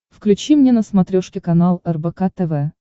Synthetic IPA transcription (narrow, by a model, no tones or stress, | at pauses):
fklʲʉt͡ɕimnʲenəsmɐt̪ɾʲoʂkʲɪkɐnalˠɛrbɛkat̪ɛvɛ